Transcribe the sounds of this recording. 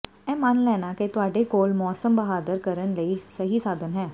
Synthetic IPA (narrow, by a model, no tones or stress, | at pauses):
ɛ̃ːmənlɛːnaːket̪ʊaːɖeːkoːlmɔːsəmbəɦaːd̪əɾkəɾənləiːsəɦiːsaːd̪ənɦɛː